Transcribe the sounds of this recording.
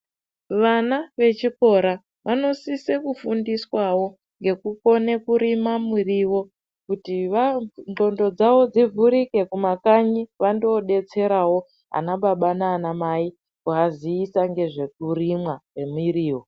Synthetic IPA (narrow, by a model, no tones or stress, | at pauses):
ʋanaʋe̞t͡ʃiko̞ɾa | ʋʔano̞sisekufundiswawo̞ | ŋɡe̞kuko̞ne̞kuɾimamuriwo̞ | kutiʋao̞ndo̞d͡zawo̞d͡zivʱuɾike̞kumakaɲiʋandoɗe̞t͡se̞ɾawo̞ | a̰naɓaɓanaːnamai | kuaziːsaŋɡe̞ʐe̞k̚urimwawe̞miriːwo